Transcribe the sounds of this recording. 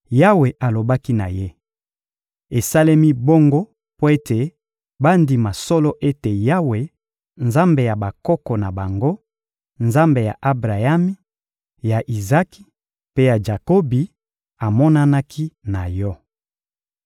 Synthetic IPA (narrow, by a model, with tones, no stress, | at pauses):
ja˦we˨ʔa˨lo˨ba˦ki˦na̰˨je˦ | e˨sa˦le˦mi˦bo˦ŋɡo˦ | po˦e˦te˨ | ba˦ndi˨ma˨sɔ˦lɔ˦ʔe˦te˨ja˦we˨ | nza˦mbe˨ja˨ba˨kɔ˦kɔ˨na˨ba˨ŋɡo˦ | nza˦mbe˨ja̰˨ʔa˦bʁa˨ja˦mi˦ | ja˨ʔi˨za˦ki̥˦ | pe˦ja˨ʒa˨ko˦bi˨ | a˨mɔ˦na˦na˦kʰi˦na˨jɔ˦